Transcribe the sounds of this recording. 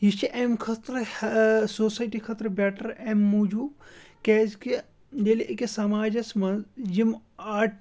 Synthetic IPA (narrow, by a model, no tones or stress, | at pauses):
jit͡ʃʰiʔemkʰɐt̪ɾ | soːsaːjʈikʰɐt̪ɾbɛːʈɐɾemːuːd͡ʒuːb | keːzke | lelʔekesɐmaːd͡ʒɐsmɐjimaːʈ